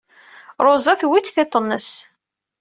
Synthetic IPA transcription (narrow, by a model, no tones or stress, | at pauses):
ɾˤozˤɑθwit͡sːθet̪ˤːənːəs